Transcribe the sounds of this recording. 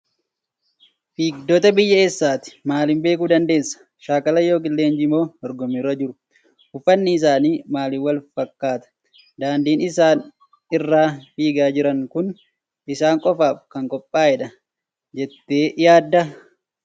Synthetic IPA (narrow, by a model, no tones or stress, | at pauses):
fiːɡd̪oːt̪ɐbɪjːɐeːsːaːt̪ɪ̥maːlɪmbe̞ːkuːd̪ɐnd̪e̞ːsːɐ̥ | ʃaːkɐlɐjo̞ːkɪlːeːnd͡ʒimo̞ːd̪ɔɾɡɔmːirːɐd͡ʒɪɾʊ̥ | ʊfɐnːɪɪs̬aːniːmaːlɪwɐlfɐkːaːt̪ɐ̥ | d̪aːnd̪iːnɪsaːn | ɪrːaːfiːɡaːd͡ʒɪɾɐŋkʊn | ʔɪsaːŋkʼɔfaːfkɐŋkʼɔpʼːaːɛᶑɐ | d͡ʒɛt̪ːe̞ːjaːd̪ːɐ